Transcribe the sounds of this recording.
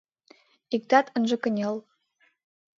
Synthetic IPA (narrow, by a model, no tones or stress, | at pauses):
ik̚t̪ɑt̪ə̆nʒɤ̆kə̆nʲel